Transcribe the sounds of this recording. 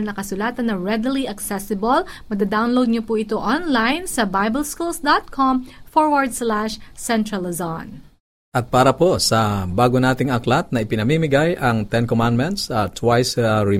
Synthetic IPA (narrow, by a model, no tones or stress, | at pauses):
lnɐkɐsʊlaːt̪ɐnːɐɹɛd̪ɪliʔɐksɛsɪbɐlmɐd̪ad̪awnlowd̪̚ɲopuʔɪt̪oʔɔnlajnsɐbajbɛlskulsd̪at̪̚kʰɔmfɔɹwɐɹd̪̚slaʃsɛnt̪ɾɐlɐzon | ʔɐt̪̚paːɾɐposɐbaːɡonaːt̪ɪŋɐklat̪̚nɐʔɪpɪnɐmiːmɪɡajʔɐŋt̪ɛnkomand̪mɛnt̪sat̪ʰwajsaɹɪ